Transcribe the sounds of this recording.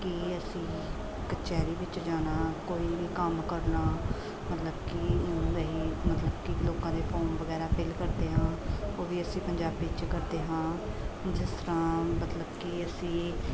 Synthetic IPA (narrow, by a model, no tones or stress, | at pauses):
kiəsĩː | kət͡ʃɛːɾiːʋɪt͡ʃd͡ʒaːnaːkoːiːʋiːkəmkəɾnaː | mət̪ləbkieiːmət̪ləbkɪloːkãːd̪eːpʰɔːnʋəɡɛːɾaːpɪlkəɾd̪eːɦãːoːʋiːəsĩːpəɲd͡ʒaːbːɪt͡ʃkəɾd̪eːɦãːd͡ʒɪst̪əɾãːmət̪ləbkiəsĩː